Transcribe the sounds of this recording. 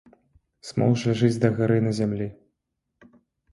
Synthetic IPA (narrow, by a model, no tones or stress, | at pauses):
smɔ̰wʐlʲaʐɨd͡zʲd̪ɐɣaɾɨnɐzʲamlʲi